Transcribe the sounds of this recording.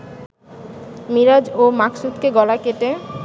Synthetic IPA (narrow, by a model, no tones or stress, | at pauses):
miɾad͡ʑomaksut̪keɡɔlakeʈe